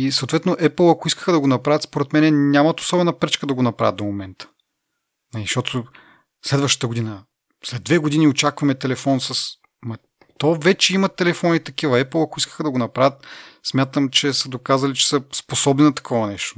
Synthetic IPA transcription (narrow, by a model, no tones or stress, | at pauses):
isɐot̪vɛt̪noʔɛpl̩ˠɐkoiskə̥xəd̪ɐɡonɐpɾavət̪spoɾɛt̪mɛnɛnʲamɐt̪o̥sɔbɛnɐpɾɛt͡ʃkəd̪ɐɡonɐpɾa̰vət̪d̪omomɛnt̪ə̥ | nɐliʃt̪ɔt̪ʰo | slɛd̪vəʃt̪ə̥t̪əɡod̪inə | slɛd̪̚vɛɡod̪iniot͡ʃakvɐmɛt̪ɛlɛfɔnsəs | mɐ | t̪ɔvɛt͡ʃɛimɐt̪ɛlɛfɔnit̪ɐkivəɛplˠɐkoiskə̥xəd̪ɐɡonɐpɾavət̪smʲjat̪əmt͡ʃɛsəd̪okazɐlit͡ʃɛ̥səsposɔbninɐt̪ɐ̥kʰɔvɐnɛʃt̪o̥